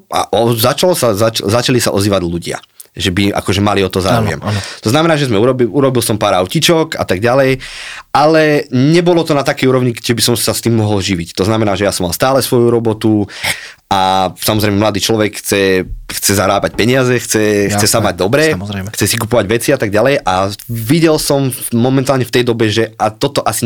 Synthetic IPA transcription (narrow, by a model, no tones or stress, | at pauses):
a̰ʔɔzat͡ʃalɔsazat͡ʃzat͡ʃalisaʔɔziːʋaɟluɟɪa̰ | ʒɛbiʔa̰kɔʒɛmaliɔt̪ɔza̰ɾɔ̰jɛ̰mt̪ɔznamɛnaːʒɛzmɛuɾɔbiuɾɔbilsɔmpaːɾaʊcit͡ʃɔka̰t̪aɡɟalɛjʔalɛɲɛbɔlɔt̪ɔnat̪akɛjuɾɔʊɲiɛbisɔmsast̪iːmːɔɦɔlʒiʋict̪ɔznamɛnaːʒɛjasɔmalˠst̪aːlɛsʋɔjuɾɔbɔt̪u | ʔasamɔzɾɛjmɛmlad̪iːt͡ʃlɔʋɛkxt͡sɛxt͡sɛzaɾaːbac̚pɛɲɪad͡zɛxt͡sɛxt͡sɛsamaɟ̚d̪ɔbɾɛxt͡sɛsikupɔʋaɟʋɛt͡siat̪aɡ̚ɟalɛjʔaʋiɟɛlsɔmː | ɔmɛnt̪aːlɲɛft̪ɛjd̪ɔbɛʒɛat̪ɔt̪ɔʔasi